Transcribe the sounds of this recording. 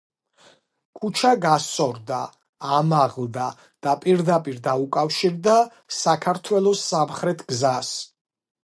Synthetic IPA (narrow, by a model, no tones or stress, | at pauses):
kʰut͡ʃʰaɡasɔɾd̪aː | maʁlˠd̪a | d̪̥apʼiɾd̪apʼiɾd̪aukʼafʃiɾd̪a | sakʰaɾt̪ʰwɛlˠɔsːamχɾɛt̪ʰɡ̥zas